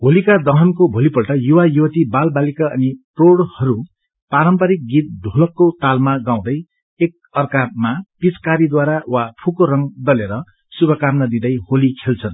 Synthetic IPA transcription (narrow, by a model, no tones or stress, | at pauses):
ɦolikad̪ʌɦʌnkobʱolipʌlʈʌjuwajuʌt̪ibalbalikaʌ̰niproɽhʌɾu | paɾʌmpʌɾik̚ɡit̪̚d̪ʱulʌkːot̪almaɡaw̃d̪ʌj | ek̚ʌrkamapit͡skaɾid̪waɾawapʰukoɾʌŋd̪ʌleɾʌ | subʱʌkamnʌd̪id̪ʌjholikʰelt͡sʰʌn